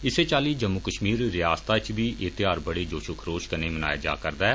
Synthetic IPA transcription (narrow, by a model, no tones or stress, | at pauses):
ɪseːt͡ʃaːliːd͡ʒəmːʊkəʃmiːɾɾɪjaːst̪aːt͡ʃbiːʔeːt̪ɪjaːɾbəɽeːd͡ʒoːʃʊkʰɾoːʃkəneːməna̰ːja̰ːd͡ʒa̰ːkəɾd̪aːɛː